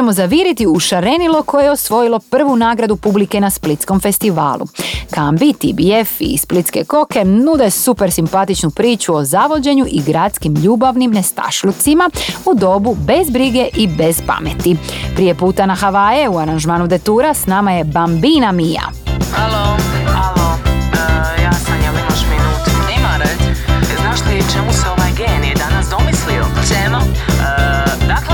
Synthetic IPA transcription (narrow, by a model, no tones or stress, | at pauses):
emo̞zaʋiɾit̪iuʃaɾe̞nilo̞kʰo̞jejeo̞sʋo̞jilˠo̞pr̩ʋunaːɡɾad̪upublike̞nasplit̪sko̞mfe̞st̪iʋa̰ːlˠṵkambit̪ibiefḭsplit̪ske̞̰ko̞ke̞nud̪e̞supe̞ɾsimpat̪it͡ʃnupɾiːt͡ɕuo̞zaʋo̞d͡ʑe̞ɲuʔiɡɾaːt̪skimʎuːbaʋnimne̞st̪a̰ʃlut̪simaud̪o̞bube̞zbɾiɡe̞ʔibe̞z̥pa̰me̞t̪ipɾije̞puːt̪anaxaʋajeuaɾanʒmaːnud̪e̞t̪uːɾasnamaje̞bambiːnamija̰ | halohalo | jaːk̪aɲalimaʃminuːt̪upnimaɾeznaːʃt̪oit͡ʃemuseonajɡeːniid̪anasd̪o̞mislioseno | d̪akle